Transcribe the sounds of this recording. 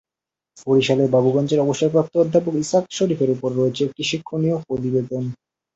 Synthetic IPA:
foɾiʃalebabuɡɔnt͡ɕeɾɔboʃːaɾpɾap̚t̪ood̪ʱːapokisakʃoɾifeɾupoɾːoet͡ɕʰeekʈiʃikʰːoniopɾot̪ibet̪on

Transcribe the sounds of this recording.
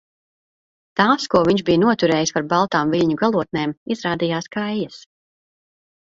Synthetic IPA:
t̪aːskuɔvʲiɲʒbijnuɔt̪uɾɛːjispaɾbalˠt̪aːmviʎʲɲuɡalˠuɔt̪̚neːmizɾaːd̪ijaːskajjɐs

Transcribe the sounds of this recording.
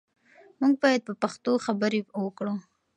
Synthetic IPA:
muŋɡ̚bɑjad̪̚pəpaxt̪oxabəɾewəkɽu

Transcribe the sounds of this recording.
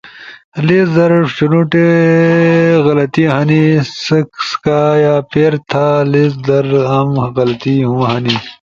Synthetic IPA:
lisd̪ɐɾt͡ʃunuʈe | ɣɐlɐt̪iɦɐnisɐkskajaːpeːɾt̪ʰalis̬d̪ɐɾɐmɣɐlɐt̪iɦũːɦɐni

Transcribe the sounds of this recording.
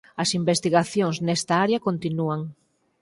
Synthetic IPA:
ɐsimbest̪iɣaθjoŋznɛst̪aaɾjakont̪inuaŋ

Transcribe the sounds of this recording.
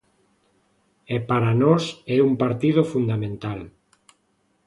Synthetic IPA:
epaɾanɔsɛumpaɾt̪iðofund̪amẽnt̪al

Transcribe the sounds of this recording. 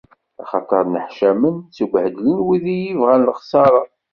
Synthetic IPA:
ɑχɑt̪ˤəɾˤnəħʃæmənt͡suɡʷhd̪linwiðijivʁænlχsˤɑɾˤɑ

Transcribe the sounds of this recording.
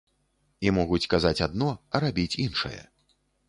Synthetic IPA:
imɔɣut͡sʲkazat͡sʲad̪nɔɐɾabʲit͡sʲinʂɨ̰jɐ̰

